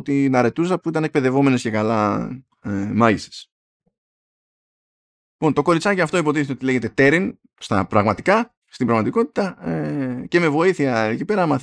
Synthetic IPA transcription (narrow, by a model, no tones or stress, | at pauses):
t̪inɐɾe̞t̪usɐpuit̪ɐnek̚pe̞ðe̞vo̞me̞nesce̞kɐlɐ | emɐʝise̥s | lipo̞nt̪o̞ko̞ɾit͡sɐciɐft̪o̞ipo̞t̪iθet̪eot̪ile̞ʝe̞t̪e̞t̪e̞ɾin | st̪ɐ̰pɾɐɣmɐt̪i̥kɐ | st̪ibɾɐɣmɐt̪iko̞t̪i̥t̪ɐece̞me̞vo̞iθiɐcipe̞ɾɐmɐθ